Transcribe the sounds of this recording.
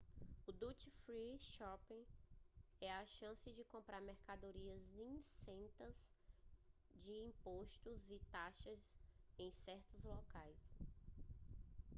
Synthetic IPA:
ʊd̪ut͡ʃifɾiʃɔpẽ | ɛɐʃɐ̃sɪd͡ʒɪkõmpɾaɾmɛɾkad̪oɾiɐzĩsẽnt̪ɐz | d͡ʒɪĩpoʃt̪ʊzɪt̪aʃɐzẽj̃sɛɾt̪ʊzlɔkajs

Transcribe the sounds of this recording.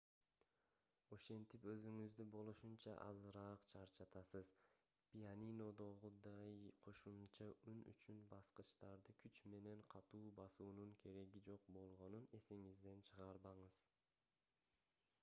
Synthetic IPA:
o̞ʃe̞nt̪ipø̞zyŋyzd̪ybo̞lˠuʃunt͡ʃɑʔɑ̰zɯɾɑːqt͡ʃʰɑɾt͡ʃɑt̪ɑsɯz̥ | pʲijanino̞d̪o̞ʁud̪ɑjqʰo̞ʃumt͡ʃɑyny̰t͡ʃynbɑsqɯʃt̪ɑɾd̪ɯkʰyt͡ʃme̞ne̞ɴqʰɑt̪uːbɑsuːnuŋkʰe̞ɾe̞ɡid͡ʒo̞q̚bo̞lˠʁo̞nune̞siŋizd̪e̞nt͡ʃʰɯʁɑɾbɑɴɯz

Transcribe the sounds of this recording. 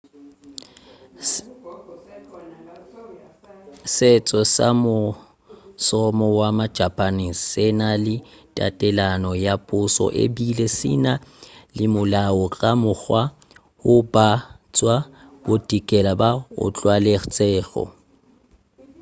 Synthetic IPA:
sɪt͡sʼɔsa̰mʊ | sɔmɔwamḁd͡ʒʱapʼanissɪnalɪtʼa̰tʼɛlanɔjapʼʊsɔ̰ʔḛbilesɪ̰nalɪmʊlaɔkʼamʊk͡xwa | hʊbat͡sʼwab̥otʼikʼɛlabaʊ̰t͡ɬʼwaleχt͡sʼɛːɣɔ̰

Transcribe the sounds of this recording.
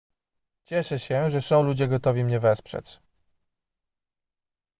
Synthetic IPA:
t͡ɕɛʂɛɕɛʐɛsɔ̃w̃lud͡ʑɛɡɔt̪ɔvʲimɲɛvɛspʂɛ̰t͡ʂ

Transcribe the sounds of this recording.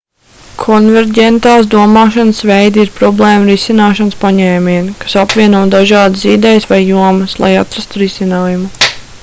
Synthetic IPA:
kʰɔnvɛɾɟʲɛnt̪aːsd̪uɔmɑːʃanəsvejd̪iɾpɾɔblˠeːmɾisinaːʃanspaɲɛːmʲiɛnkḁsapvʲiɛnuɔd̪aʒɑːd̪əsid̪ɛjsʋajːuɔməslˠa̰jat̪ɾast̪uɾisinaːjumu

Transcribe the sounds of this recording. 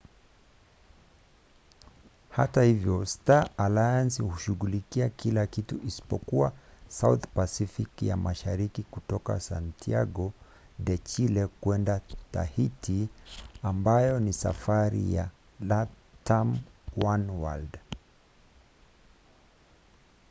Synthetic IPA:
ha̰tahivjɔstaalajansihuʃuɣulikiakilakituʔisi̥pɔkuasauθpasifikja̰mʔaʃaɾikikutɔka̰sa̰ntʰia̰ɡɔ | ɗɛt͡ʃilɛkwɛndata̰hitʰiambajɔnisa̰faɾḭja̰ | la | tamwanwa̰ld

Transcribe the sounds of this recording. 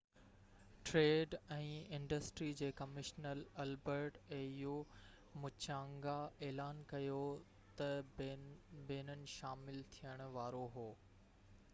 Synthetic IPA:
ʈɾeːɖɛ̃ːɪ̃ɳɖəsʈɾid͡ʑeːkɐmɪʃnəlɐlbəɾʈeːju | mʊt͡ɕãːŋɡaeːlaːnkɐjo | t̪ɐ | beːnənɪ̆ʃaːmɪlt̪ʰijəɽ̃ʊ̆ʋaːɾoɦoː

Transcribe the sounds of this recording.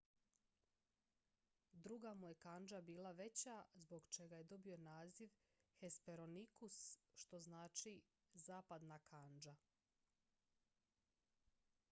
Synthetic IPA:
d̪ɾuɡamuje̞kand͡ʒabiːlˠaʋe̞t͡ɕazbo̞ɡt͡ʃe̞ɡaje̞d̪o̞bio̞naːziʋ | xe̞speɾo̞nikusʃt̪o̞znaːt͡ʃi | zaːpad̪nakʰand͡ʒa

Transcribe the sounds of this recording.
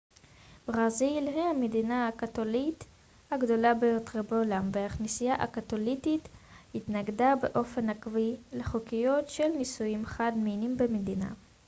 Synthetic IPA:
bʁazilɦihamedinaakatolit | haɡdo̞labejot̪ʁebeolamveaχnisijaʔakat̪olitit̪hit̪naɡdabeʔo̞fe̞nakvileχokijo̞tʃelnisujimχad̪minimbemedina̰

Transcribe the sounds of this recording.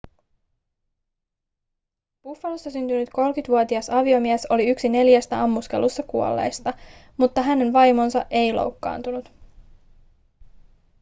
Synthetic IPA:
pufːɑlosːɑsynt̪ynyt̪ko̞lkyt̪ʋuot̪iɑsɑʋio̞miæso̞liyksine̞ljæst̪æɑmːuske̞̰lusːɑkuolːḛjst̪ɑ | mut̪ːɑɦæne̞nʋɑjmo̞nsɑʔe̞jlo̰wkːɑ̰ːnt̪unut̪

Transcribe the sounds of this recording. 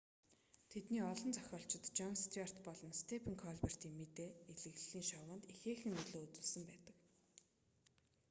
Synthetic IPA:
t̪ʰet̪niːɔɮɞ̆nt͡sœxʲɔːɬt͡ɕɪ̆t̪t͡ɕɔŋst̪ʰiar̥t̪pɔɮɞ̆nst̪ʰepʰĕŋkʰɔɮper̥t̪iːŋmet̪eːeɮɘ̆ɣɮːiːŋʃɔwə̆nt̪ixeːxɘ̆ŋːɵɮoːɵt͡s̪ɵ̆ɮsə̆mpæːt̪ə̆k

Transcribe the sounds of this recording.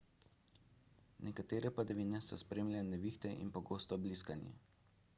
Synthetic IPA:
nʔɛkat̪eːɾɛpad̪ɛʋiːnɛsɔspɾeːmljanɛʋiːxt̪ɛʔḭnpɔɡoːst̪ɔbliskanjɛ̰

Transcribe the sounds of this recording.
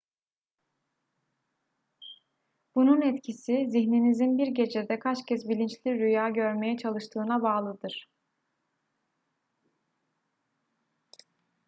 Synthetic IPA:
b̥ununɛt̪cʰisiziçninizinbiɾɟe̞d͡ʒed̪ɛkʰat͡ʃcʰɛsbilʲint͡ʃlʲiɾyjaːɟø̞ɾme̞jɛt͡ʃʰalˠɯʃt̪ʰɯːnabaːlˠɯd̪ɯɾ̥

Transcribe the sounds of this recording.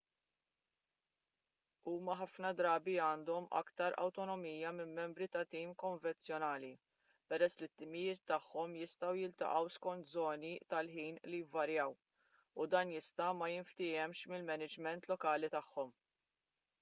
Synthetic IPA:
uːmɐħɐfnɐd̪ɾɐːbiɐːnd̪ɔmɐ̰kt̪ɐɾɐ̰wt̪ɔnɔmiːjɐmɪmːɛmbɾit̪ɐt̪iːmkɔɱvɛnt͡sjɔnɐːli | pɛɾɛsːlɪt̪ːɪmɪjɪːt̪ːɐħːɔmjɪst̪ɐwjɪlt̪ɐ̰ʔɐwskɔnt̪zɔːnit̪ɐlħiːnlijɪvːɐɾjɐw | ʊd̪ɐːnjɪst̪ɐmɐjɪɱft̪ɪːɛmʃmɪlmɛnɪd͡ʒmɛnt̪lɔkɐːlit̪ɐħːɔm

